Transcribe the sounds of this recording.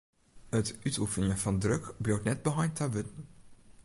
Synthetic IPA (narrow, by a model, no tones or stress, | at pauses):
ətytufənɪəv̥ɑndrɵkblowtnɛd̚bəɦɑjtaʋɪtən